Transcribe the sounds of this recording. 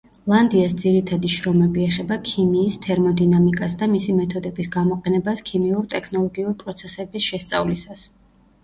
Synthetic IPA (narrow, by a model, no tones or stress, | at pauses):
lˠand̪iasd̪ziɾit̪ʰad̪iʃɾɔmɛbiɛχɛbakʰimiːst̪ʰɛɾmɔd̪inamikʼasd̪amisimɛt̪ʰɔd̪ɛbisɡamɔqʼɛnɛbaskʰimiuɾit̪ʼɛkʰnɔlˠɔɡiuɾipʼɾɔt̪sʰɛsɛbisʃɛst̪sʼa̰vlisas